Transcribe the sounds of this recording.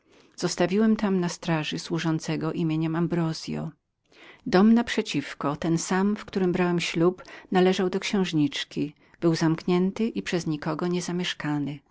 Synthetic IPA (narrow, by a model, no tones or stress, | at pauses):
z̥ɔst̪avʲiwɛmt̪amnast̪ɾaʐɨswuʐɔnt̪sɛɡɔʔimʲjeɲɛmambɾɔzʲjɔ̰ | d̪ɔmnapʂɛt͡ɕifkɔt̪ɛnsamfkt̪uɾɘmbɾawɛmɕlupnalɛʐawd̪ɔkɕɛ̃w̃ʐɲit͡ʂkʲi | b̥ɘwzamkɲɛnt̪ɘʔipʂɛzɲikɔɡɔɲɛzamʲjɛʂkanɘ